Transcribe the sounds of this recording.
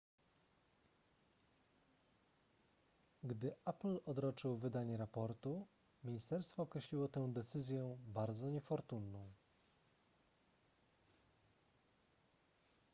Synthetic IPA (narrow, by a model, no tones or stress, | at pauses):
ɡd̪ɘʔaplɔd̪ɾɔt͡ʂɘwvɘd̪aɲɛɾapɔɾt̪u | mʲiɲist̪ɛɾst̪fɔːkɾɛɕlʲiwɔt̪ɛw̃d̪ɛt̪sɘzʲjɛbaɾd̪zɔɲɛfɔɾt̪unːɔ̃w̃